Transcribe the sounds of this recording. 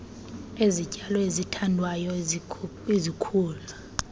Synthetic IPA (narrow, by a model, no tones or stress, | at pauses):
ezicʼalɔezitʰandʱwajɔ | ezikʰuːla